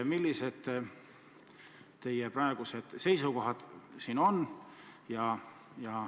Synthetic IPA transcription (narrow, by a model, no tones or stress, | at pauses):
milʲːise̞d̪̥ | t̪e̞jepɾɑe̞ɡ̥use̞d̪̥se̞jsuko̞ɦɑd̪̥siːno̞njɑ | jɑ